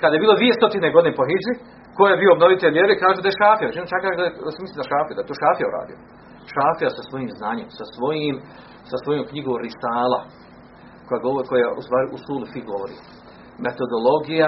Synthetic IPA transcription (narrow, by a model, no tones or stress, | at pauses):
kad̪ajebiːlˠoʋiːje̞st̪o̞t̪ineɡo̞d̪inepo̞ɦid͡ʒi | kojjebiːo̞ːbno̞ʋit̪eʎʲeɾekaːʒud̪ajeʃaːfijaʋet͡ʃinot͡ʃakaasmislimaʃaːfijud̪aet̪oːʃaːfijaṵɾa̰ːd̪io | ʃaːfijasasʋo̞jiːmznaːɲemsasʋo̞jiːm | sasʋo̞jomkɲiɡoːɾisaːlˠa̰ | kojaɡooɾko̞jaʔṵst̪ʋaːɾiʔusuːlufiɡo̞ʋoɾḭ | met̪o̞d̪olˠo̞ɡija